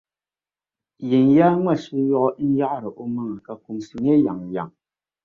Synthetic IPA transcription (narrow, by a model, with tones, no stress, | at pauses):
je˨njaː˦ŋʷa˦˨ʃi˦jɔ˦ʔɔ˦ʔn̩˦ja˦ʔɾə˨ʔo˦mɨ˦ŋə˨ka˨ku˨msi˨ŋe˦ja˨ŋ˨ja̰˨ŋ